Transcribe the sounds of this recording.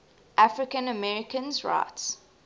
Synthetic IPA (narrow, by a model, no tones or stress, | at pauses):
ʔafɹɪkə̃nəmɛɹɪkə̃nzɹa̰ɪts